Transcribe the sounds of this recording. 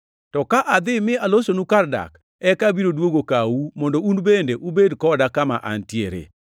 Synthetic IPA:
tɔkaʔad̪ɪmɪalosonukarda̰k | ɛkabiɾodwoɡokawumɔndounbendeʔubedkɔdakama̰ʔa̰ntjeɾḛ

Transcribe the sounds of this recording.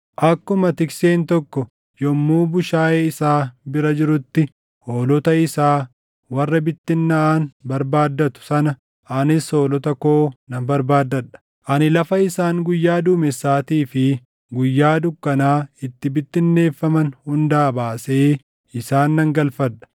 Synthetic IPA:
ʔɐkːʊmɐt̪ɪkseːnt̪ɔkːɔ | jɔmːuːbʊʃaːʔeːɪsaːbɪɾɐd͡ʒɪɾʊt̪ːɪ | hoːlɔt̪ɐɪsaː | wɐrːɐbɪt̪ːɪnːɐaːnbɐɾbaːd̪ːɐt̪ʊ̥sɐnɐ | ʔɐnɪso̞ːlɔt̪ɐkoːnɐmbɐɾbaːd̪ːɐᶑɐ̥ | ʔɐnɪlɐfɐɪsaːŋɡʊjːaːd̪uːmɛsːaːt̪iːfɪ | ɡʊjːaːd̪ʊkːɐnaːɪt̪ːɪbɪt̪ːɪnːe̞ːfːɐmɐnhʊnd̪aːbaːseː | ɪsaːnːɐŋɡɐlfɐᶑɐ̥

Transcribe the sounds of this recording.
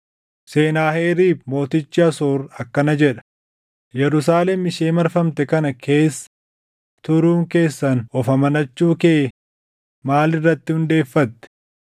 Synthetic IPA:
se̞ːnaːheːɾiːfmo̞ːt̪ɪt͡ʃːɪɐsoːɾɐkːɐnɐd͡ʒɛᶑɐ̥ | jɛɾʊs̬aːlɛmɪʃeːmɐɾfɐmt̪ɛkɐnɐkʰe̞ːsːɐ̥ | t̪ʊɾuːŋke̞ːsːɐnɔfɐmɐnɐt͡ʃːuːkeː | maːlɪrːɐt̪ːɪhʊnd̪e̞ːfːɐt̪ːɛ̥

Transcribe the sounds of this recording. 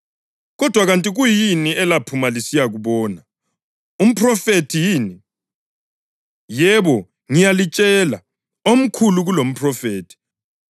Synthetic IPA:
ɣɔd̥ʱwaɣantʼiɣujiniɛlapʰumalisijaɣuβɔːna | um̩pʰrɔfetʰijiːni | jɛβɔ | ŋijalit͡ʃʼɛla̰ | om̩kʰuluɣulom̩pʰrɔfeːtʰi̥

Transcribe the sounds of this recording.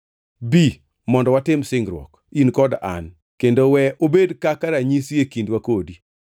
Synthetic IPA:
bi | mɔndɔwatɪmsɪŋɡɾwɔ̰k | inkɔda̰n | kendowɛʔobedkakaɾaɲisiekindwakodi

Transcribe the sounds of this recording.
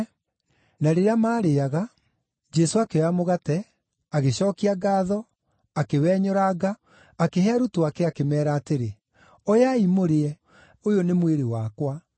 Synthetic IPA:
naɾeɾeamaːɾeaɣa | d͡ʒɛsoakeamoɣatɛ | aɣeɕɔːkiaɡaːðɔ | akewɛːɲɔɾaɡa | akeɦɛaɾutoakɛakemɛːɾaːteɾe | ɔjaimoɾeɛ | ojonemweɾewaːkwa

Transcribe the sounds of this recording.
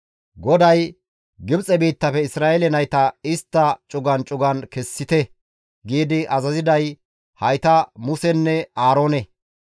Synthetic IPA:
ɡɔd̪ɐj | ɡɪbt͡sʼɛbiːt̪ːɐfɛɪsɾaːʔɛlɛnɐjt̪ɐɪst̪ːɐt͡ʃʼʊɡɐnt͡ʃʼʊɡɐnkɛsːɪt̪ɛ | ɡiːd̪ɪʔɐzɐzɪd̪ɐj | hɐjt̪ɐmʊsɛnːɛaːɾo̞ːnɛ

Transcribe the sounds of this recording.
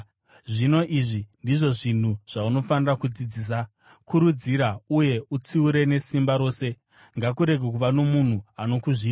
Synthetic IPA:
ʐino̞ʔiʐindiʐo̞ʐin̤uʐ̥auno̞fanirakud͡zid͡ziːs̬a | kuɾud͡ziɾauje̞ut͡siuɾe̞ne̞simbaɾo̞ːse̞ | ŋɡakuɾe̞ɡʱek̬uʋano̞mun̤uano̞kuʐiː

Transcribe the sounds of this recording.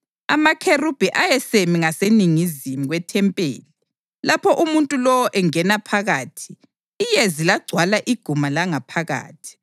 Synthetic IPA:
amakʰerub̥ʱiʔajɛsemiŋaseniŋizimuɣwɛtʰɛmpʼḛːli | lapʰɔʔumuntʼulɔwɔʔɛŋɛnapʰaɣaːtʰi̥ː | jezilaɡ͡ǀʱwalaʔiɡ̥ʱumalaŋapʰaɣa̰ːtʰi̥

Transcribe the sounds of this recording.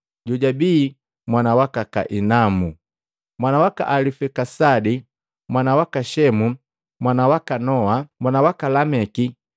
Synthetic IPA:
ɟuɟabiː | mwanawakaka̰ʔinamu | mwanawaka̰ʔalifɛkasadi | mwanawakaʃɛmu | mwanawakanɔamwanawakalamɛki

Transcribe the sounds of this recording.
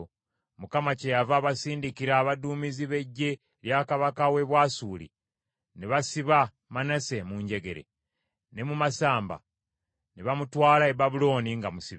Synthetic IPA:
mukamacejavaβasiːndikiɾaːβaduːmiziβe̞ɟːe̞ | ljakaβakawe̞βwaːsuːlḭ | neβasiβa | manase̞muɲɟe̞ɡe̞ɾe̞̰ | ne̞mumasaːmba̰ | neβamutwaːlaeβaβulo̞ːniŋɡamusiβ

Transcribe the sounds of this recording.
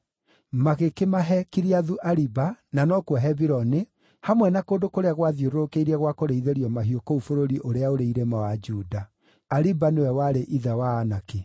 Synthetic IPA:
maɣekemaɦɛkiɾiaðuʔaɾibananɔkwaɦɛβiɾɔne | hamwɛnakoːndokoɾeaɣwaðioɾoɾokeiɾɛɣwakoɾeiðeɾiɔmaɦiokoufoɾoɾiʔoɾeaoɾeiɾemawad͡ʒuːda | aɾibanewɛwaɾeʔiðawaːnake

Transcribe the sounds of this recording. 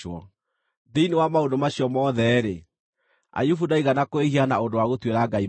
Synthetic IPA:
ɔ | ðeinewamaondomaɕjɔmɔːðɛɾe | a̰jufudaiɣanakoehianaondowaɣotweɾaɡai

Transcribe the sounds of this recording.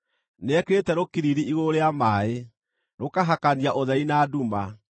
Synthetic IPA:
neɛkɾetɛɾokiɾiɾiiɣoɾeamae | ɾokaɦakaniaʔoðɛinaːduma

